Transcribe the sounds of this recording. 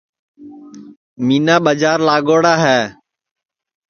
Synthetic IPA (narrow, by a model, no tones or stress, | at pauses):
miːnaːɓəd͡ʒaːɾlaːɡoːɽaːɦɛː